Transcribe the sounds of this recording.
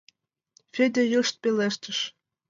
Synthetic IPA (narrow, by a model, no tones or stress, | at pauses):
fʲed̪ʲejəʃt̪̚peleʃt̪ə̆ʃ